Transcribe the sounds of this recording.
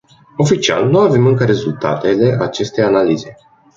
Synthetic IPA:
o̞fit͡ʃia̰lnuave̞mɨŋkəɾe̞zult̪a̰t̪e̞le̞ʔat͡ʃe̞st̪e̞janalize̞

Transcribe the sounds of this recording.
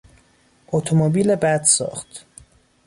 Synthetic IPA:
ʔot̪ʰomobiːlebæd̪sɒ̰ːxt̪

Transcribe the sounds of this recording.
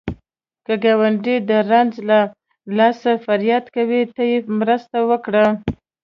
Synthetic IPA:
kəɡawaɳɖid̪əɾanzla | lɑsafaɾjɑt̪kawit̪ajemɾəst̪awəkɽa

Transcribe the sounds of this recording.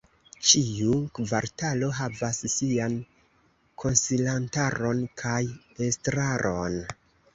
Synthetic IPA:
t͡ʃiukvaɾtalo̞ɦavasːian | kʰo̞nsilantaɾo̞nkʰaj | estɾaɾʔo̞n

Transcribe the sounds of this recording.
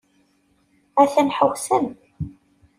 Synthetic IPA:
æθænħəwsæm

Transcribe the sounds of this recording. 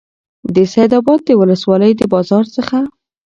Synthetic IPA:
d̪əsajd̪ɑbɑd̪̚ːəwʊləswɑləjd̪əbɑzɑɾsəxa

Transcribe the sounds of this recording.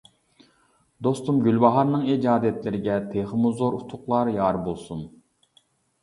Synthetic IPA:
d̪ost̪umɡʲylʲbɑɦɑɾnɨŋid͡ʒɑːd̪ɛt̪lɪɾɪɡʲɛt̪ʰeχəmuzoɾut̪ʰʊqlˠɑɾjɑɾbolˠsun

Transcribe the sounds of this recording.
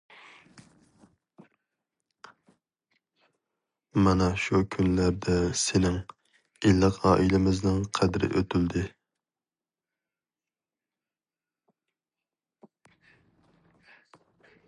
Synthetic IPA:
mɑnɛʃukʲʰynlæɾd̪ɛsɪnɪŋ | ilːɨqʰɑ̰ːʔilɪmɪznɪŋqʰæd̪ɾɪ̰ʔøt̪ʰyld̪ɪ

